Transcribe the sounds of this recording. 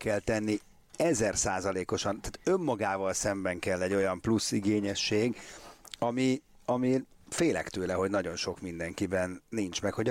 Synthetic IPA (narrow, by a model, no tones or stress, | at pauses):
kɛlt̪ɛnːi | ɛzɛrsaːzɒleːko̞ʃɒnt̪aːt̪ømːɒɡaːvɒlsɛmbɛŋkɛlːɛɟːo̞jɒmplusːiɡeːɲɛʃːeːɡ | ɒmiɒmi | feːlɛ̰kt̪øːlɛɦo̞ɟnɒɟo̞nʃo̞kmind̪ɛŋkibɛnːint͡ʃmɛkho̞ɟ